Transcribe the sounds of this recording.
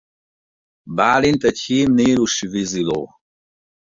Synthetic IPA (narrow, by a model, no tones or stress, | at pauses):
baːlint̪ɛcʲhiːmneːluʃivizilo̰ː